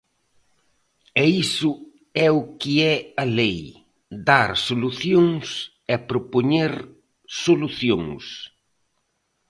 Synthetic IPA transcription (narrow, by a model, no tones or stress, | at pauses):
ɛisʊ | ɛʊkɪɛɐlej | d̪aɾsoluθjoŋs | ɛpɾopoɲeɾ | soluθjoŋs